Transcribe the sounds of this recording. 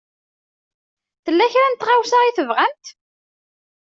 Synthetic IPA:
θəlːæçɾænt̪ʁawsaʁiθəvʁæmt̪

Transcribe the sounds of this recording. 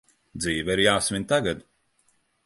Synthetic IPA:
d̪ziːvaiɾjaːsmʲinʲt̪aɡad̪

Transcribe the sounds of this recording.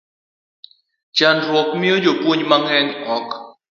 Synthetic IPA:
t͡ʃanɾɔk̚miod͡ʒopwoɲmaŋɛŋɔk

